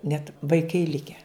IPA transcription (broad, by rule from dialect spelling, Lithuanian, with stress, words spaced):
nʲɛt ʋɐɪˈkɐɪ ˈlʲɪkʲæː